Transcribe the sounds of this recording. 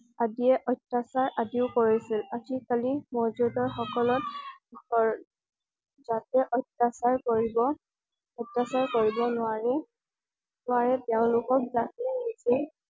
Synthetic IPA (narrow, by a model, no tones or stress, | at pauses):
adiɛʔɔjtːasaɹʔadiʊkoɹisilazikalimɔɹzudɔɹxɔkɔlɔt̚ɔ | zatɛʔɔjtːasaɹkoɹibɔ | ɔjtːasaɹkoɹibɔnʊaɹɛ | nʊwaɹɛtɛʊ̃lʊkɔk̚zatlɛnisil